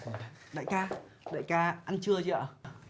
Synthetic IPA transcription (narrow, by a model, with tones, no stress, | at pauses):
ɗa̰ː˧˨jkaː˧ | ɗa̰ː˧˨jkaː˧ʔa˧nt͡ɕɨ˧ət͡ɕi˧˨a˧˩